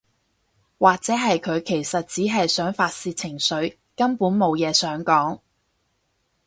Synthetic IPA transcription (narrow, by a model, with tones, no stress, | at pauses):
waː˨k̚t͡sɛː˨˥ɦɐ˨jkʰɵ˨˧ɥkʰe˨˩jsɐ˨t̚t͡siː˨˥ɦɐ˨jsœː˨˥ŋfaː˧t̚siː˧t̚t͡sʰɪ˨˩ŋsɵ˨˥ɥ | kɐ˥mpuː˨˥nmo˨˧wjɛː˨˧sœː˨˥ŋkɔː˨˥ŋ